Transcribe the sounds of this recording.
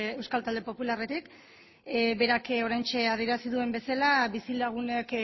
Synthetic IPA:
e̞wskalt̪ald̪e̞po̞pularet̪ik | be̞ɾako̞ɾajnt͡ʃe̞að̞ie̞ɾasiðue̞mbe̞salaβisilaɣ̞unek

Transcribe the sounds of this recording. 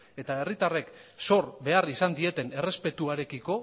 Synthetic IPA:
e̞t̪ae̞rit̪are̞kso̞ɾbe̞arisand̪ie̞t̪e̞ne̞re̞spe̞t̪uaɾe̞kiko̞

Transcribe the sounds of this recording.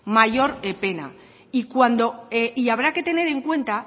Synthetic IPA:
maʝo̞ɾepe̞na̰ | ikwand̪o̞eiaβ̞ɾake̞t̪e̞ne̞ɾe̞ŋkwe̞nt̪a

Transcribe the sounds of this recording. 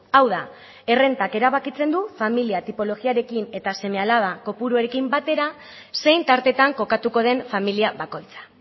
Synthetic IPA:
awða | e̞re̞nt̪ake̞ɾaβakit͡se̞nd̪ufamiliat̪ipo̞lo̞ɣiaɾe̞kine̞t̪ase̞me̞alaβako̞puɾuaɾekimbat̪e̞ɾa | se̞jnt̪aɾt̪e̞t̪aŋko̞kat̪uko̞ð̞e̞ɱfamiliaβako̞jt͡sḁ

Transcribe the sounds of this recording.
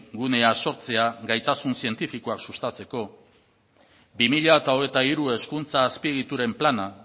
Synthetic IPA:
ɡune̞aso̞ɾt͡se̞aɡajt̪asunsie̞nt̪ifiko̞aksust̪at͡se̞ko̞ | bimiʎaet̪ao̞ɣe̞t̪aiɾue̞skunt͡saːspieɣ̞it̪uɾe̞mplana

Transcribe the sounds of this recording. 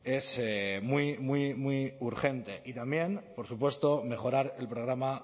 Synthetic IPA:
e̞semwimwimwiuɾχe̞nt̪e̞ʔit̪ambje̞npo̞ɾsupwe̞st̪o̞me̞χo̞ɾaɾe̞lpɾo̞ɣ̞ɾama

